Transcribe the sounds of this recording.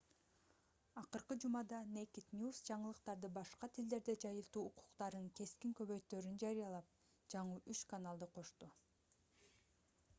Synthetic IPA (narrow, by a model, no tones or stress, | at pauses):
ɑqɯɾqɯd͡ʒumɑd̪ɑnejkʲit̪nʲjusd͡ʒɑɴɯlˠɯqt̪ɑɾd̪ɯbɑʃqɑt̪ʰild̪e̞ɾd̪ed͡ʒɑjɯlˠt̪uːqʰu̥qt̪ɑɾɯnke̞skiŋkøβø̞jt̪øɾynd͡ʒɑɾijɑlˠɑp̚ | d͡ʒɑɴɯʔyt͡ʃkanalˠd̪ɯqʰo̞ʃt̪u